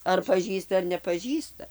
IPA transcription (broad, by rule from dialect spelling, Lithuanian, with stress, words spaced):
ɐr pɐˈʒʲiːstɐ ɐr nʲɛpɐˈʒʲiːstɐ